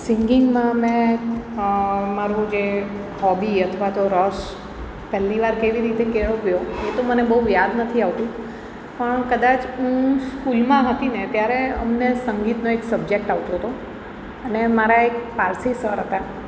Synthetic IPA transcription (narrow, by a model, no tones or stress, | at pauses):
sɪŋɡɪŋɡmãmɛ̃ | maɾũd͡ʒe | hɔbiət̪ʰʋat̪oɾɔs | pɛɦlːiʋaɾkeʋiɾit̪ekeɭoɡjoet̪omənebəɦujad̪nət̪ʰiaʋt̪ũ | pəɳkəd̪at͡ʃũskulmãɦət̪inet̪jaɾeə̰mnesəŋɡit̪noeksəbd͡ʒek̚ʈaʋt̪oɦt̪o | ənemaɾaekpaɾsisəɾɦət̪a